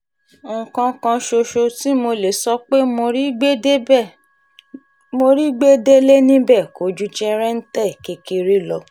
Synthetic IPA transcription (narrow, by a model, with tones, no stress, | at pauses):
ŋ̩˨kã˧kã˧ʃo˧ʃo˧ti˦mo˧le˨sɔ˧k͡pe˦mo˧ɾi˦ɡ͡be˦˨ | mo˧ɾi˦ɡ͡be˦de˦le˦nĩ˦bɛ˦˨ko˨˦d͡ʒu˦d͡ʒɛ˦ɾɛ˦n̩˦tɛ˦˨ke˧ki˧ɾi˦lɔ˧